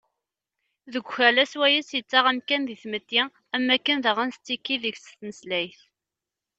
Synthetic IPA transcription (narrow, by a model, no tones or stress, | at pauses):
ðəɡʷçælæswæjisjət͡sːaʁæmkænðiθmət̪ːi | æmːækːənðəʁænst͡sːikːiðəçsθnəslæjθ